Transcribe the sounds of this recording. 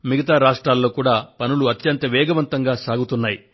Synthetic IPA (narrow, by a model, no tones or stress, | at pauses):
miɡɐt̪aːɾaːʂʈɾaːlːo̞ːkuːɽaːpɐnuluɐt̪jɐnt̪ɐʋɛːɡɐʋɐnt̪ɐŋɡaːsaːɡut̪unːaːji